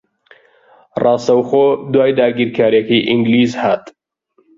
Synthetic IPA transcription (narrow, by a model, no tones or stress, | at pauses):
rɑːst̪ɐwχoːd̪waːjd̪aːɡiːɾkʰaːɾjɐkɐjʔiŋɡliːzhaːt̪